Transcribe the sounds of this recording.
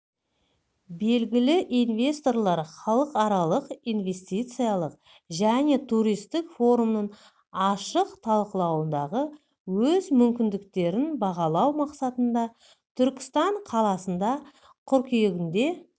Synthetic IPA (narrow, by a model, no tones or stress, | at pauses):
be̞lɡʲɪlɪʔinvʲe̞st̪o̞ɾlˠɑɾχɑlˠəqɑɾɑlˠəqijnve̞st̪ʲijt̪sɨjɑlˠəq | ʒæne̞t̪ʰuɾijst̪ɪkfo̞ɾumnəɴ | ɑʃəqt̪ʰɑlˠqəlˠɑwənd̪ɑʁə | wɵzmʏmkʲɪnd̪ɪkt̪e̞ɾɪnbɑʁɑlˠɑwmɑqsɑt̪ənd̪ɑ | t̪ʰʏɾkʲɪ̥st̪ɑɴqʰɑlˠɑsənd̪ɑ | qʰʏɾkʲijeɡʲɪnd̪e̞